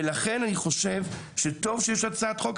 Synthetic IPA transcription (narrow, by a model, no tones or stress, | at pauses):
laχe̞naniχo̞ʃev | ʃet̪o̞vʃejɛʃat͡saat̪χok